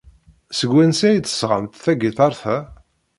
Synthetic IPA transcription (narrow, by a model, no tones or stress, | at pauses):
səɡʷːænsæjd̪ə̥sʁə̰mt̪θæɡiθˤɑɾθæ